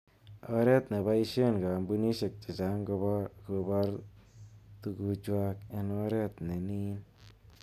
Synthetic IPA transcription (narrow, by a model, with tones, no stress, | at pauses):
a˧˦ɾe˦t̪ne˨ba˧˦ji˧ʃe˦˨nɡa˨mbu˧ni˦ʃe˧˨k̚t͡ʃi˨d͡ʒa˨˦ŋɡo˧ba˦ɡo˧ba˦ɾ | t̪u˧ɡu˧t͡ʃwa˧ke˧no˧˦ɾe˦t̪ne˨ni˦n